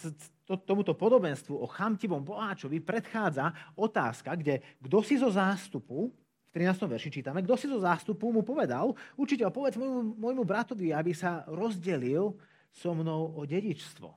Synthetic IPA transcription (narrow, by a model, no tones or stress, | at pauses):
t̪ɔt̪ɔmut̪ɔpɔd̪ɔbɛnst̪ʋuʔɔxamcibɔmpɔɦaːt͡ʃɔʋipɾɛt̪xaːd͡zaɔt̪a̰ːskaɡɟɛɡd̪ɔsizɔzaːst̪upu | ft̪ɾinaːst̪ɔmʋɛɾʃit͡ʃiːt̪amɛɡd̪ɔsizɔzaːst̪upumupɔʋɛd̪aluɾt͡ʃicɛlpɔʋɛd͡zmɔjmumɔjmubɾat̪ɔʋiabisaɾɔzɟɛlil | sɔmnɔʊɔɟɛɟit͡ʃst̪ʋɔ̰